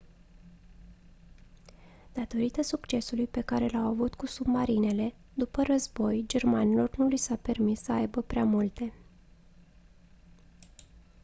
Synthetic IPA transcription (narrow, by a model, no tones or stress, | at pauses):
d̪̥at̪o̞ɾit̪əsukt͡ʃe̞sulujpe̞kaɾe̞lawavut̪kusubmaɾine̞le̞ | d̪upərəzbo̞jd͡ʒe̞rmanilo̞rnulisape̞rmisːəajbəpɾeamult̪e̞